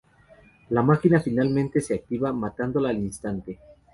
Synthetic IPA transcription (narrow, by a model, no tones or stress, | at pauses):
lamakinafinalmẽnt̪e̞se̞ak̚t̪iβamat̪and̪o̞laːlinst̪ant̪e̞